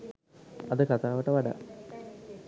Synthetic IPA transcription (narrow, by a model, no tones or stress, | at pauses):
ɐd̪ɨkat̪aːʋɐʈːəʋɐɖa̰